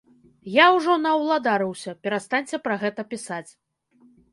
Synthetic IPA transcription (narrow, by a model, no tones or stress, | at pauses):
jawʐɔnɐwlˠad̪aɾɨwsʲɐpʲɛɾast̪anʲt͡sʲɛpɾɐɣɛt̪ɐpʲisat͡sʲ